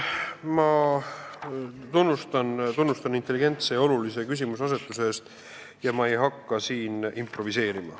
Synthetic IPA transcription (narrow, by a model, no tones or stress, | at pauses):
mɑ | t̪unːust̪ɑnt̪unːust̪ɑnint̪ːˑeliɡ̥e̞nt̪se̞o̞lulise̞kys̬ʲimusɑs̬e̞t̪ːˑuseeːst̪ | jɑmɑe̞jɦɑkːɑsiːnimpro̞vise̞ːɾimɑ̰